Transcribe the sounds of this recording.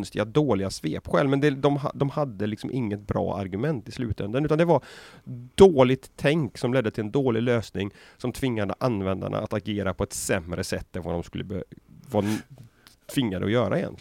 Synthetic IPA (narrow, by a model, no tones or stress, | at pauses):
nst̪ɪɡad̪oːlɪɡasveːpɧɛ̰lmɛnd̪ɛd̪ɔmɦa̰d̪ɔmhad̪ːəlɪksɔmʔɪŋːət̪̚bɾɑ̰ːa̰ɾɡɵmɛnt̪ɪslʉ̟ːt̪ɛnd̪ənʉ̟ːt̪and̪ɛvaɾd̪̥oːlɪt̪ʰːɛŋksɔmlɛd̪ːət̪ʰɪlɛnd̪oːlɪløːsnɪŋsɔmt̪ʰvɪŋːad̪əʔanvɛnd̪a̰ɳa̰at̪aɡeːɾapʰɔɛt̪sɛmɾəsɛt̪ːɛnvad̪ɔmskɵlːəbva | t̪ʰv̥ɪŋːad̪ə̰ɔjœːɾa̰ɪjɛ̰nt̪l